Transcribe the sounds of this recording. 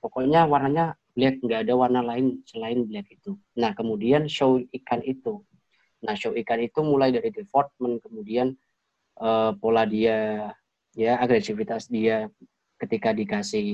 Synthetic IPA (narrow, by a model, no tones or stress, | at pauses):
pokoɲawarnaɲablɛk̚ŋɡaːdawarnalaɪnsəlaɪnblɛk̚it̪u | nahkəmudianʃowikanit̪u | nahʃowikanit̪umulajdaɾidəfɔrt̪̚mənkəmudian | ʔəːpoladia | jaːɡɾesifit̪asdia | kət̪ikadikasɪh